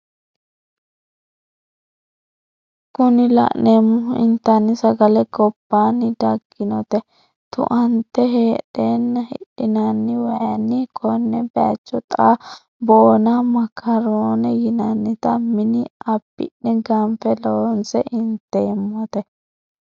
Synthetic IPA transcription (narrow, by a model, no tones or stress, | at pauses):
kʊnɪlɐ̰ʔneːmːʊɪ̰nt̪ːɐnːɪsɐɡɐlɛɡɔbːaːnːɪd̪ɐɡːɪnɔt̪ɛ | t̪ʊ̰ʔɐnt̪ːɛɦeːɗeːnːɐhɪ̰ɗɪnɐnːɪwɐjɐnːɪkʰɔnːɛbɛɐ̰t͡ʃːɔt̪ʼa | bo̞ːnɐmɐkʰːɐɾoːnɛjɪnɐnːɪt̪ɐmɪnɪɐbːɪ̰ʔɛɡɐmfɛloːnsɛʔɪnt̪ːeːmːɔt̪ɛ